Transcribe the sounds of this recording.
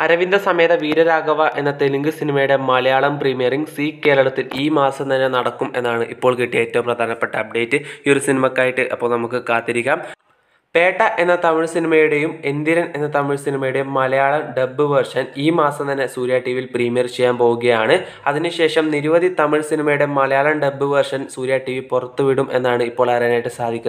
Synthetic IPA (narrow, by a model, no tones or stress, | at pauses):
ɐɾɐʋind̪ʱɐsɐme̞ːðɐʋiːɾɐɾaːɡɐʋɐʔe̞nːɐt̪eluŋɡɨsinimɐjuɽe̞mɐlɐjaːɭɐmpriːmijɐriŋɡsiːkːe̞ːɭɐɭɐt̪ːiliːmaːsɐmt̪ɐnːe̞nɐɽɐkːume̞nːaːɳɨʔipːo̞ːɭkiʈːieːtːɐʋumprɐd̪ʱaːnɐpːe̞ʈːɐɐb̚ɖe̞ːtːɨio̞ɾusinimɐkːaːjiʈːɨʔɐpːo̞ːɭnɐmukːɨkaːt̪ːiɾikʲːaːm | pe̞ːʈːɐʔe̞nːɐt̪ɐmiɭsinimɐjuɽe̞jumend̪iɾɐne̞nːɐt̪ɐmiɭsinimɐjuɽe̞jumːɐlɐjaːɭɐmɖe̞bːɨʋɐrʂɐniːmaːsɐmt̪ɐnːe̞suːɾjaːʈːiʋilpriːmijɐrt͡ɕe̞jːaːnpo̞ːɣuɣɐjaːɳɨ | ɐðinɨɕe̞ːʂɐmniɾuʋɐd̪ʱit̪ɐmiɭsinimɐjuɽe̞mɐlɐjaːɭɐmɖe̞bːɨʋɐrʂɐnsuːɾjaːʈːiʋipurɐt̪ːuʋiɽumʔe̞nːaːɳɨipːo̞ːɭɐrɐnaːjiʈːɨsaːd̪ʱikʲːun